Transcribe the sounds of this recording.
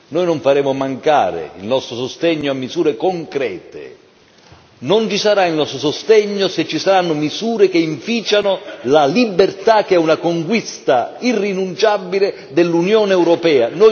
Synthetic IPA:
nojnoɱfaɾɛːmʊmaŋka̰ːɾɪ̰ḭlnɔst̪ɾosost̪ɛɲːoamːizuːɾekoŋkɾɛːt̪ɪ̰ | nont͡ʃisaɾailnɔst̪ɾosost̪ɛɲːoset͡ʃːisaɾanːʊmizuːɾek̟eiɱfiːt͡ʃanolalibːert̪ak̟ɛunakoŋkwist̪airːinunt͡ʃabːilɪ | d̪elːunjoːnɛwɾɔpɛːanoj

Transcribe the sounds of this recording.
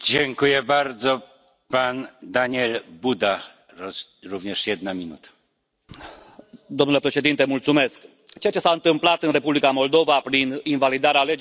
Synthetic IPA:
d͡ʑɛŋkujɛbaɾd̪zɔ | pand̪aɲɛlbud̪a | ɾuvɲɛʂjɛd̪̚namʲinṵt̪ḁ | d̪omnule̞pɾe̞ʃe̞d̪int̪emult̪sume̞sk | t͡ʃe̞jat͡ʃe̞saɨnt̪ɨmplat̪ɨnre̞publikamo̞ld̪o̞vapɾininvalid̪aɾealed͡ʒ

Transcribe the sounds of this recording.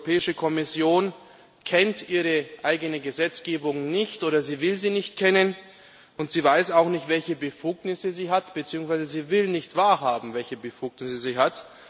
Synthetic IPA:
pʰɛːɪʃəkʰɔmɪsjoːn | kʰɛntʔiːʁ̞əʔaɪɡənəɡəzɛt͡sɡ̥eːbʊŋnɪçtʔoːɾɐziːvɪlziːnɪçtkʰɛnən | ʊntz̥iːvaɪsaʊxnɪçtv̥ɛlçəbəfuːknɪsəziːɦatb̥ət͡siːʊŋsv̥aɪzəziːvɪlnɪçtv̥aːɐɦaːbm̩vɛlçəbəfuːknɪsəziːɦat

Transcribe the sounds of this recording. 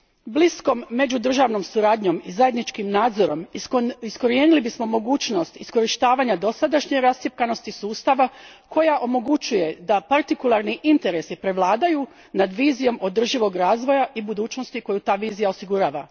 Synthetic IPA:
blisko̞mːe̞d͡ʑud̪r̩ʒaːʋno̞msuɾaːd̪ɲo̞mizaje̞d̪nit͡ʃkimnaːd̪zo̞ɾo̞misko̞ɾieːnilibismo̞mo̞ɡuːt͡ʃno̞st̪isko̞ɾiʃt̪aːʋaːɲad̪o̞sad̪aʃɲeɾast̪jep̚kano̞st̪isuːst̪aʋakʰo̞jaʔo̞mo̞ɡut͡ʃuje̞d̪apaɾt̪ikulˠaɾniʔint̪e̞ɾe̞sipɾe̞ʋlˠaːd̪aju | nad̪ʋiːzijo̞mo̞d̪r̩ʒiʋo̞ɡɾaːzʋo̞jaʔibud̪uːt͡ʃno̞st̪iko̞jut̪aːʋiːzijao̞siɡuɾaːʋa

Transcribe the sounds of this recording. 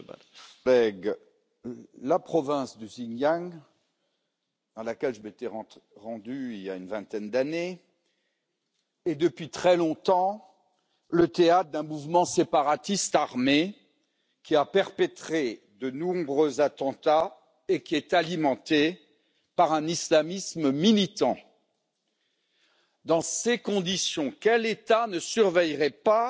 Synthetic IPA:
lɛɡ | lapχɔvɛ̃sd̪əziɲjaŋ | d̪̥ɑ̃lakʲɛlʒəmet̪ɛʁɑ̃d̪yilja̰ynvɛ̃t̪ɛnd̪ane | d̪əpɥit̪χɛlɔ̃t̪ɑ̃ | lət̪eat̪χd̪ɛ̃muvmɑ̃sepaʁat̪ist̪aʁme | kʲiapɛʁpɛt̪χe | d̪ənɔ̃bʁøzat̪ɑ̃t̪a | ekʲiɛt̪alimɑ̃t̪e | paʁɛ̃nislamisməmilit̪ɑ̰̃ | d̪ɑ̃sekɔ̃d̪isjɔ̃kʲɛlet̪anəsyʁvɛjʁɛpa

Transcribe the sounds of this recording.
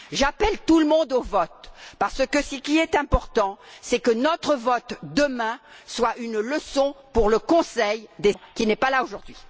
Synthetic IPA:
ʒapɛlt̪uləmɔ̃d̪ovɔt̪̚paʁsəkəsəkʲiɛt̪ɛ̃pɔʁt̪ɑ̃sɛkənɔt̪χəvɔt̪d̪əmɛ̃swaʔynləsɔ̃puʁləkɔ̃sɛjd̪ekʲinɛpalaoʒuʁd̪ɥi

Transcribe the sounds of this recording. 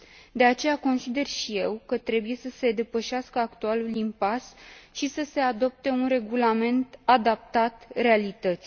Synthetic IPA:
d̪e̞at͡ʃe̞jako̞nsid̪e̞rʃije̞wkət̪ɾe̞buje̞səse̞d̪e̞pəʃaskəakt̪ualulimpasʃisəse̞ad̪o̞p̚t̪e̞unre̞ɡulame̞nt̪ad̪ap̚t̪at̪re̞alit̪ət̪sʲ

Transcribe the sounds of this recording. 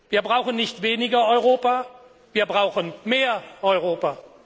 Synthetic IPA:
viːɐbʁaʊxən̩nɪçtv̥eːnɪɡɐɔʏʁoːpa | viːɐbʁaʊxənmeːɐʔɔʏʁoːpa

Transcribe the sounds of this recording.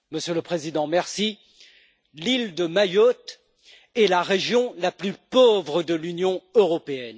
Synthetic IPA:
məsjøləpχezid̪ɑ̃mɛʁsi | lild̪əmajɔt̪ | ɛlaʁeʒjɔ̃laplypovʁəd̪əlynjɔ̃øʁɔpeɛn

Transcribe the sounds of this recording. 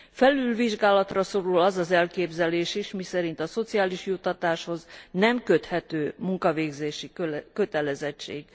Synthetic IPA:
fɛlylviʒɡaːlɒt̪rɒso̞ɾulɒzɒzɛlkeːbzɛleːʃiʃmisɛɾint̪ɒso̞t̪sijaːliʃjut̪ːɒt̪aːʃho̞znɛmkø̞t̪hɛt̪øːmuŋkɒveːɡzeːʃikøt̪ɛlɛzɛt͡ʃːḛːɡ̥

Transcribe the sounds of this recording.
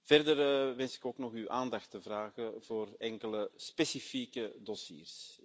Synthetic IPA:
v̥ɛrdərʋɛnsɪ̥koːknɔxywʔaːndɑxtəvraːɣəvoːrɛŋkələspesifiːkədɔsḭːrs

